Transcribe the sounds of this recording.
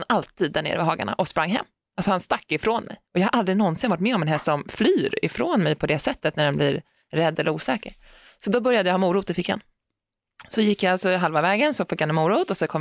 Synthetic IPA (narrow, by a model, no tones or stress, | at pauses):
nalt̪ʰiːd̪ːæɳḛːɾvɪɦɑːɡa̰ɳa̰ʔɔspɾaŋːɦɛ̰mː | alsɔhanst̪akːɪfɾoːnmʔɛ̰jɔjɑːhaɾʔald̪ɾɪnɔnsɪnvaʈ̚mɛːɔmɛnɦɛsɔmflyːɾɪ̰fɾoːnmɛjpʰɔd̪ɛsɛt̪ːət̪næɖɛnbliːɾ | ɾɛd̪ːɛlːəɾuːsɛːkəɾ | sɔd̪ɔbœɾjad̪jahɑːmuːɾuːt̪ɪfɪkːha̰n | sɔjɪkːjaalsɔɦalvavɛːɡənsɔfɪkːhanɛmuːɾuːt̪ɔsɔkʰɔm